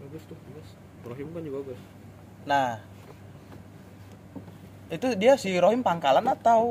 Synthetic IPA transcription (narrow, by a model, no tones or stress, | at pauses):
baɡʊst̪uhbabʊs | roɦimkaɲd͡ʒubaɡʊs | nah | it̪udiasiɾoɦimpaŋkalanat̪au